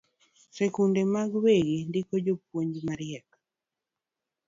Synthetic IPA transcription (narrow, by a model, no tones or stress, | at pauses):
sɛkundemaɡweɡindikod͡ʒop̚woɲd͡ʒmaɾɪɛk